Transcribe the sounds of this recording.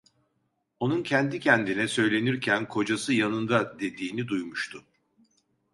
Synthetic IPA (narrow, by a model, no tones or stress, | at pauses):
o̞nuncʰɛnd̪icʰɛnd̪inɛsø̞jlʲe̞niɾcʰænkʰo̞d͡ʒasɯjanɯnd̪ad̪e̞d̪iːnid̪ujmuʃt̪ʰʊ